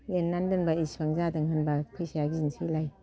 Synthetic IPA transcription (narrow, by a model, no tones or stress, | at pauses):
lenːandɯnbaispaŋzadɯŋɦɯnbapʰɯjsajaɡizinsilaj